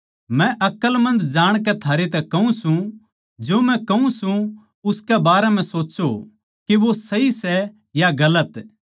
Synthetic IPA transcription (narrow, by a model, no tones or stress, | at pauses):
mɛ̃ʔɐkəlmɐ̃nd̪d͡ʒaːɽ̃k̬ɛt̪ʰaːɾet̪ɛkɐũsũ | d͡ʒoːmɛ̃kɐũsũ | ʊskɛbaːɾɛm̤ɛ̃soːt͡ʃo | keʋosɐisɛ | jaɡɐlət̪